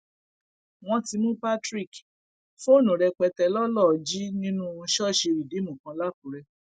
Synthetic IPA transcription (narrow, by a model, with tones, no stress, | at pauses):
w̃ɔ̃˧˦ti˧mũ˦pa˦tɾi˦˨k | fo˦˨nũ˨ɾɛ˧k͡pɛ˧tɛ˧˦lɔ˦lɔ˦˨d͡ʒi˦nĩ˦nũ˦˧˦ʃɔ˦˨ʃe˧ɾi˨de˨˦mũ˨kã˧˦la˦k̚ũ˨ɾɛ˧